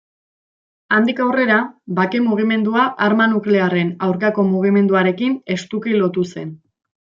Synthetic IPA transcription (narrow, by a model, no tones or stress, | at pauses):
and̪ikawre̞ɾabakemuɣ̞ime̞nd̪uaʔaɾmanukleare̞nawɾkako̞muɣ̞ime̞nd̪uaɾe̞kine̞st̪ukilo̞t̪use̞n